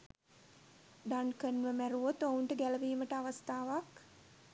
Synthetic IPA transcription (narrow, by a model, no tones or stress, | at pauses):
d̪ankənʋəmæɾuot̪ouɳʈəɡæləʋiːməʈəaʋast̪aːʋak